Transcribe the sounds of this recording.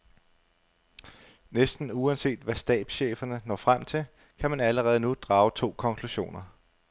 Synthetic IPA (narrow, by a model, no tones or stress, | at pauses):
nesd̥n̩uænse̝̰ːd̥ʋæsd̥ɛ̰ːd̥ɕḛːfɐnənɒ̰ːfʁam̰t͡sʰe̝l | kʰæmænæləʁɛːð̞̩ˠnud̥ʁɑ̈ːʊt͡sʰo̝̰ːkʰɒ̽ŋkʰluɕo̝̰ːnɐ